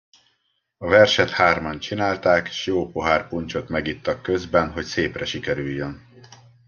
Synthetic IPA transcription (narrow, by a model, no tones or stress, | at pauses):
ɒvɛrʃɛt̪haːrmɒnt͡ʃinaːlt̪aːkeʃjoːpoɦaːrpuɲt͡ʃo̞t̪mɛɡit̪ːɒkːø̞zbɛnɦo̞cseːprɛʃikɛɾyjːøn